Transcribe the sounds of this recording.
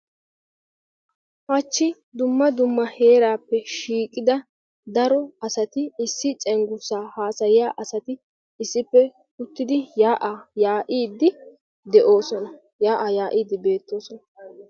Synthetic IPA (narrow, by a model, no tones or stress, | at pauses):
hɐt͡ʃːɪ | d̪ʊmːɐd̪ʊmːɐhe̞ːɾaːpːɛʃiːkʼːɪd̪ɐ | d̪ɐɾɔɐsɐt̪ɪɪsːɪt͡ʃʼɛŋɡʊsaːhaːsɐjɪjaːʔɐsɐt̪ɪ | ɪsːɪpːɛ | ʊt̪ːɪd̪ɪjaːʔajaːʔiːd̪ːɪ | d̪ɛʔo̞ːsɔnɐ | jaːʔajaːʔiːd̪ɪbe̞ːt̪ːo̞ːsɔnɐ